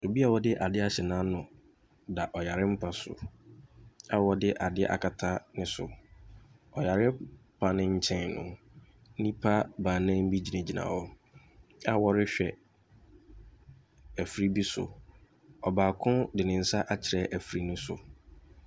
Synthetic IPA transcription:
o˨bi˦a˨wɔ˦dɪ˦ʔa˨dɪ˦a˦ɕɛ˨nãː˦nʊ̃˨ | da˨ʔɔ˨ja˨ɾɪ̃˦m̩˦pʰa˨sʊ̰˨ | a˦wɔ˦dɪ˦ʔa˨dɪ˦ʔa̰˨kʰa˨tʰa˦nɪ̃˦sʊ̰˨ | ɔ˨ja˨ɾɪ˦pʰa˦nɪ̃˦ɲ̩˦t͡ɕʰɛ̃˦nʊ̰̃˨˦ | nĩ˦pʰa˦bãː˨nã˦m̩˦bi˦d͡ʑi˨nẽ˨d͡ʑi˨nã̰ː˨wɔ˦ | a˦wɔ˦ɾɪ˦ɕᶣɛ˨ | æ˨fɾi˦bi˦sʊ̰˨ | ɔ˨baː˨kʰʊ̃˦dɪ˨nɪ̃˨n̩˦sa˦ʔa˦t͡ɕʰɪ˨ɾɛ˦ʔæ˨fɾi˦nʊ̃˦sʊ̰˨

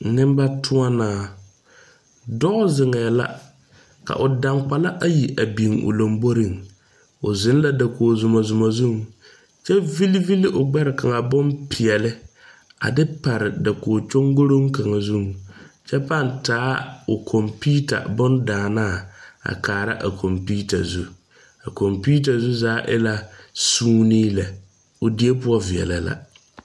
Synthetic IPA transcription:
nɪ˦m˦ba˦tʰʊ˦a˦naː˨ | dɔ˦zɪ˨ŋɛː˨la̰˦ | ka̰˨ʔʊ˨da˨ŋk͡pa˨la˦ʔa˨ji˨ʔa˨bi˨ŋʊ̰˨lo˨mbo˦ɾɪ˨ŋ | ʊ˨zɪ˨˦n˦la˦da˨koː˨zʊ˨ma˨zʊ˨ma˨zu˦˨ŋ | t͡ʃɛ˦vi˦li˦vi˦li˦ʔʊ˨ɡ͡bɛ˦ɾɪ˨ka˨ŋa˨bʊ˦npʰɪ˨ɛ˨lɪ˦ | a̰˨dɪ˦pa˨ɾɪ˨da˨koː˨t͡ʃʊ˦ŋɡʊ˦ɾo˦ŋ˦ka˨ŋa˨zu˦˨ŋt͡ʃɛ˦pa˦˨ntaː˦ʊ˨kʰɔ˨mpi˦ta̰˨bʊ˦ndaː˨na˦˨a̰˨kʰaː˨ɾa̰˦ʔa̰˨kʰɔ˨mpi˦ta̰˨zu˦ | a˨kɔ˨mpiː˦t̬a˨zu˦zaː˨˦ʔɪ̰˦la˦suː˦niː˦la˨ | ʊ˨di˦e˦pʊ˦ɔ˦vɪ˨ɛ̰˨la˨la̰˨

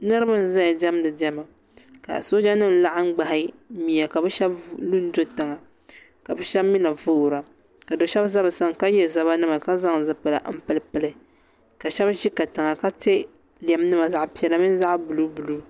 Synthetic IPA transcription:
nɨ˦ɾɨ˦bɨ˦n̩˨za˦˨dɛ˦m˦nɨ˨dɛ˦ma˨ | ka̰˨so˦d͡ʒa˦nɨ˦˨m˨la˦ʔɪ˦ŋ͡m̩˦ɡ͡ba˨hɪ˦mi˨a˨ka˨bɨ˦ʃɛ˦blu˦n˦do˦tɨ˨ŋa˨ | ka˨bɨ˦ʃɛ˦bmi˦na˨vuː˦˨ɾa˨ | ka˨do˨ʃɛ˦bza˦bɨ˨sa˦ŋ˨ka˦jɛ˦za˦βa˦nɨ˦ma˨ka˦za˦ŋzɨ˨pɨ˨la̰˨m̩˦pɨ˦lɨ˦pɨ˦lɨ˦ | ka˨ʃɛ˦bʒi˦ka˨tɨ˨ŋa˨ka˦te˦ | lɛ˨m˦nɨ˦ma˨za˨ʔpi˨˦ɛ˨la˨mi˦n˦za˦ʔbu˨lu˦bu˨lu˦

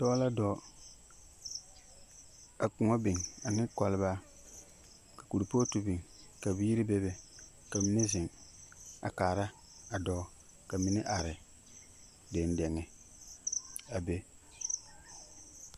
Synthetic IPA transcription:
tɔ˦la˦dɔ˨ | a˨kʊ˨ŋɔ˦bi˨ŋa˨nɪ˦kɔ˨lɪ˦βa˦ | kḁ˨ku˨ɾu˨poː˦tu˦bi˨ŋka˨bi˦ji˦ɾi˦be˦be˨ | ka˨mi˦ne˦zɪ˨ŋ | a̰˨kaː˨ɾa˦ | a˨dɔː˨˦ | ka˨mi˦nɛ˦ʔa˨ɾɪ˨ | de˨n˦dɛ˨ŋɛ˨ | a˨be˦

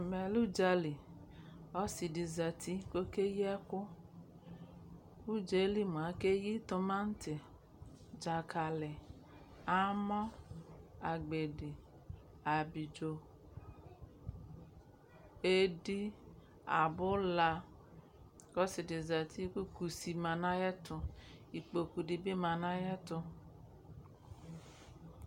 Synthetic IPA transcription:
mɛ˨lu˦d͡ʒa˧li˨ | ɔ˦si˨di˨za˨tʰi˦ko˦ke˦jɛ˦kʊ˦ | u˦d͡ʒe˨˦li˦mu˨a˨˦ke˦ji˦tʊ˧ma˦n̩˦tɪ˨ | d͡ʒa˨kʰa˨lɪ˨ | a˦mɔ˦ | a˨ɡ͡be˨dɪ˨ | a˨bi˨d͡ʒo˨ | e˦di˦ | a˨bʊ˦la˧ | kɔ˦sɪ˨dɪ˨za˨ti˦ku˦ku˨si˨ma˨na˦jɛ˦tʊ˧i˨k͡po˨ku˨di˨bi˦ma˨na˦jɛ˦tʊ˧

